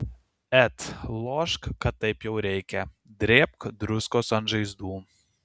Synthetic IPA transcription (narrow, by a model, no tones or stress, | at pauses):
ɛt̪lˠoːʃkkɐt̪ːɐɪpjɛʊɾʲɛɪkʲɛ | d̪ʲɾʲeːp̚kd̪ɾʊskoːsɐnʒɐɪzd̪uː